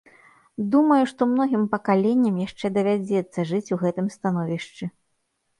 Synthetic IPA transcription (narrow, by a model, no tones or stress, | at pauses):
d̪umɐjuʂt̪ɔmnɔɣʲimpɐkalʲenʲːɐmjaʂt͡ʂɛd̪ɐvʲad͡zʲɛt̪sːɐʐɨt͡sʲuɣɛt̪ɨmst̪anɔvʲiʂt͡ʂɨ